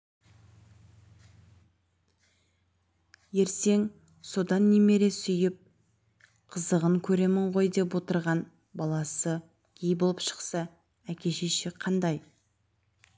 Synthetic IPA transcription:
je̞ɾse̞ŋ | so̞d̪ɑnːe̞me̞ɾe̞sʏjɪp̚ | qʰəzəʁəŋkʲʰɵɾe̞mɪɴʁo̞jd̪e̞pwo̞t̪əɾʁɑn | bɑlˠɑsə | ɡʲʰejbolˠəpʃə̥qsɑ | ækʲe̞ʃeʃɪqʰɑnd̪ɑj

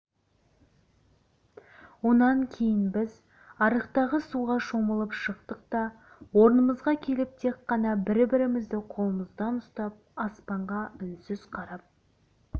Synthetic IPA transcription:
wo̞nɑŋkʲʰe̞jɪnbɪz | ɑɾəqt̪ɑʁəsuʁɑʃoməlˠəpʃəq̚t̪əq̚t̪ɑ | wo̞ɾənəməzʁɑkʲʰe̞lɪp̚t̪ʰe̞qːɑnɑbɪɾbɪɾɪmɪzd̪ɪqʰo̞lˠəməzd̪ɑnʊst̪ɑp̚ɑspɑɴʁɑʏnsɪz̥qʰɑɾɑp̚

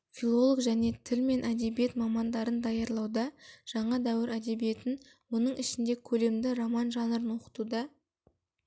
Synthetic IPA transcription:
fʲilˠo̞lˠokʒæne̞t̪ʰɪlme̞nʔæd̪e̞bije̞t̪mɑmɑnd̪ɑɾənd̪ɑjɑɾlˠɑwd̪ɑʒ̥ɑɴɑd̪æwɪɾæd̪e̞bije̞t̪ɪn | wonəɴʔɪʃɪnd̪e̞kʲʰɵle̞md̪ɪɾomɑnʒɑnəɾənwo̞qə̥t̪ud̪ɑ

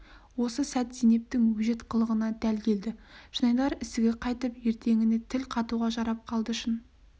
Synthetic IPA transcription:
wo̞səsæt̪zijne̞p̚t̪ɪŋwɵʒe̞t̪qʰəlˠəʁənɑd̪ælkʲʰe̞ld̪ɪʒ̥ənɑjlˠɑɾɪst̪ɪɡʲe̞qʰɑjt̪əpje̞ɾt̪ʰe̞ŋɪne̞t̪ʰɪlqʰɑt̪uʁɑʒɑɾɑp̚qʰɑlˠd̪əʊʃɪn

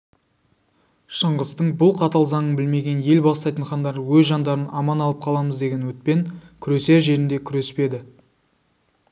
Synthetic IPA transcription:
ʃəɴʁəzt̪əɴbʊlˠqʰɑt̪ɑlˠzɑɴəbɪlme̞ɡʲe̞nje̞lbɑst̪ɑjt̪əɴχɑnd̪ɑɾwɵzʒɑnd̪ɑɾənɑmɑnɑlˠəp̚qʰɑlˠɑməzd̪e̞ɡʲe̞nwɵt̪̚pe̞ŋkʲʰʏɾe̞se̞ɾʒe̞ɾɪnd̪e̞kʲʰʏɾe̞spe̞d̪ɪ

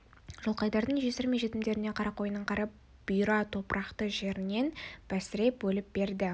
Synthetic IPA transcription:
ʒ̥olˠqɑjd̪ɑɾd̪əɴʒe̞sɪɾmejʒe̞t̪ɪmd̪e̞ɾɪne̞qʰɑɾɑqʰo̞jənəɴqʰɑɾɑp̚ | b̥ʊjɾɑt̪ʰo̞pɾʔɑqt̪əʒe̞ɾɪne̞nb̥æsɪɾe̞p̚bɵlɪp̚be̞ɾd̪ɪ

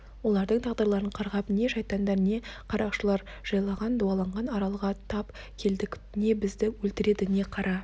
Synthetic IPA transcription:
wo̞lˠɑɾd̪əɴt̪ʰɑʁd̪əɾlˠɑɾəɴqʰɑɾʁɑpne̞ʒɑjt̪ɑnd̪ɑɾne̞qʰɑɾɑqʃəlˠɑɾ | ʒ̥ɑjlˠɑʁɑnd̪uɑlˠɑɴʁɑnɑɾɑlˠəʁɑt̪ʰɑp | kʲʰe̞ld̪ɪkʲ | ne̞bɪzd̪ɪwɵlt̪ɪɾe̞d̪ɪne̞qʰɑɾɑ

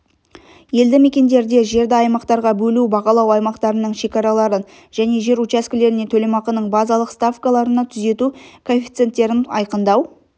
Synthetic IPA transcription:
je̞ld̪ɪmekʲe̞nd̪e̞ɾd̪e̞ʒe̞ɾd̪ɪɑjmɑqt̪ɑɾʁɑbɵlubɑqɑlˠɑwɑjmɑqt̪ɑɾənəɴʃe̞kɑɾɑlˠɑɾən | ʒ̥æne̞ʒe̞ɾut͡ʃæskʲɪle̞ɾɪne̞t̪ʰɵlemɑqənəɴbɑzɑlˠəqst̪afkalˠɑɾənɑt̪ʰʏze̞t̪ukʰofʲi̥t̪se̞nt̪ːe̞ɾɪnɑ̰jqənd̪ɑw

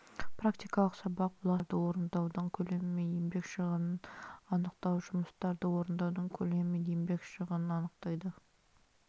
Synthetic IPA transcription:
prakt̪ijkɑlˠəqsɑbɑq̚blˠɑɾd̪əwo̞ɾənd̪ɑwd̪əɴkʲʰɵle̞mɪmejembe̞kʃəʁənənɑnəq̚t̪ɑwʒʊməst̪ɑɾd̪əwo̞ɾənd̪ɑwd̪əɴkʲʰɵle̞mmeembe̞kʃəʁənənɑnəqt̪ɑjd̪ə

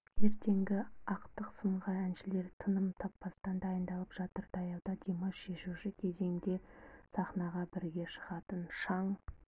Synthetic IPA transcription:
je̞ɾt̪ʰe̞ŋɡʲɪɑqt̪əqsəmʁɑænʃɪle̞ɾt̪ʰənəmt̪ʰɑpːɑst̪ɑnd̪ɑjənd̪ɑlˠəpʒ̥ɑt̪əɾd̪ɑjɑwd̪ɑd̪ʲemɑʃe̞ʃuʃɪkʲʰe̞ze̞ŋd̪e̞sɑχnɑʁɑbɪɾɡʲe̞ʃəʁɑt̪ənʃɑɴ

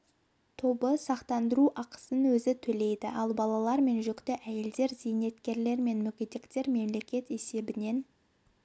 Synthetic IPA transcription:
t̪ʰo̞bəsɑqt̪ɑnd̪əɾuʔɑqə̥sənwɵzɪt̪ʰɵle̞jd̪ɪ̰ʔɑlˠbɑlˠɑlˠɑɾme̞nʒʏkt̪ɪʔæje̞ld̪e̞ɾzijne̞t̪kʲe̞ɾle̞ɾme̞nmʏkʲed̪ekt̪e̞ɾme̞mle̞kʲe̞t̪e̞se̞bɪne̞n

